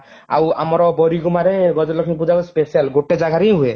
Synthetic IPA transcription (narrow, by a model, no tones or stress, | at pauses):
a̰wa̰mɔɾɔbɔɾiɡɔmaɾeɡɔd͡ʒɔlɔkʰinpud͡ʒakuspesialɡoʈed͡ʒaɡʱaɾijɦue